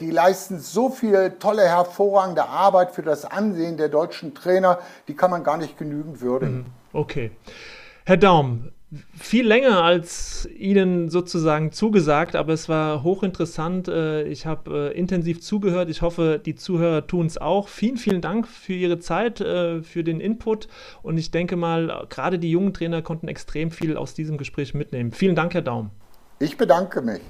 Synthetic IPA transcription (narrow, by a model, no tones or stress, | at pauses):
d̥iːlaɪstn̩zoːfiːltʰɔləhɛɐfoːʁaːɡŋ̩dəʔaɐbaɪtfyːɐdasʔa̰nzeːəndeːɐdɔʏt͡ʃn̩tʁ̥ɛːnɐd̥iːkʰanmanɡaːɐnɪçt̚ɡ̥ənyːɡŋ̩tv̥ʏɐdɪɡ̩ | ʔokʰeː | hɛɐdaʊm | fiːlːɛŋɐalsʔiːnənzoːt͡suzaːɡŋ̩t͡suːɡəzaːk̚tʔa̰ːbɐɛsv̥aːɐɦoːxɪntəʁəsantɛːɪ̰çhaːbɛːʔɪntɛnziːft͡suːɡəhøːɐtɪçhɔfəd̥iːt͡suːhøːʁ̞ɐtʰuːnsa̰ʊxfiːlənfiːləndaŋkfyːɐʔiːʁ̞ət͡saɪtɛːfyːɐdeːnʔɪnpʰʊt | ʔʊntɪçd̥ɛŋkəmaːlɡ̥əʁaːɾədiːjʊŋəntʁ̥ɛːnɐkʰɔntn̩ɛ̰kstʁ̥eːmfiːla̰ʊsd̥iːzəmɡəʃpʁ̥ɛːçmɪtneːmənfiːləndaŋkhɛɐdaʊm | ʔɪçb̥ədaŋkəmɪ̰ç